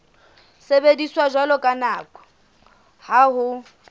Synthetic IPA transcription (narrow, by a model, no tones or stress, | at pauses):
sebediswaʒwalɔkʼanaːkʼɔ̥ | haɦʊ